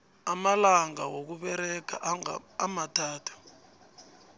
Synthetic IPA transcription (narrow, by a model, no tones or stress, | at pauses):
amalaŋawok̬uɓɛɾɛkʰa̰ː | matʰaːtʰu̥